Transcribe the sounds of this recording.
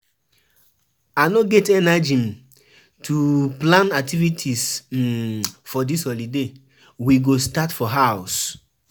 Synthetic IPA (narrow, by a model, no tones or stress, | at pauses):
anoɡɛtɛnad͡ʒĩm | tʰuplãnak̚tivitʰis | fɔdisɔlide | wiɡostatfɔɦaʊs